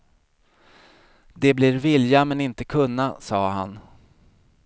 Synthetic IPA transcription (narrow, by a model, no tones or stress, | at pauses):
d̪ɛblɪɾvɪljamɛnɪnt̪əkʰɵnːasɑːɦa̰n